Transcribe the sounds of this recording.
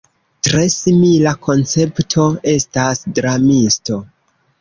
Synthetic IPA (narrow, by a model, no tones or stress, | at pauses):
tɾe̞similakʰo̞nt͡se̞ptʰo̞e̞stasdɾamisto̞